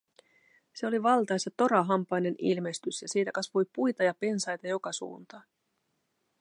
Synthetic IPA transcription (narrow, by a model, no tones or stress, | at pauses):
se̞o̞liʋɑlt̪ɑjsɑt̪o̞ɾɑɦɑmpɑjne̞nilme̞st̪ysjɑsiːt̪ækɑsʋujpujt̪ɑjɑpe̞nsɑjt̪ɑjo̞kɑsṵːnt̪ɑ